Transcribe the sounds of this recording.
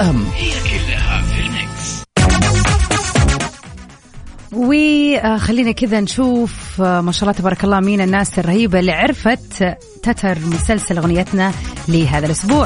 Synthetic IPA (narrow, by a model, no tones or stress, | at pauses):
amhkɪlːaha̰fɪlmɪk | wɪxalːiːnakɪðanʃuːfmaʃaʔlːɑːt̪abɑːɾˤɑkɑlˤːɑːmiːnɪnːaːsɪrˤːɑhiːbalːiʕɪɾˤfat̪ː | at̪ʰɑɾˤmʊsalsalɣʊnɪjːat̪nalɪɦaːðalʔʊsbuːʕ